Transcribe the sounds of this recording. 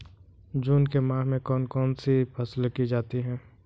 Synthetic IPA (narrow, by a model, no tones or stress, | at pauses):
d͡ʒuːnkemãːɦmẽkɔːnkɔːnsipʰɐslkid͡ʒaːt̪iɦɛ̃ː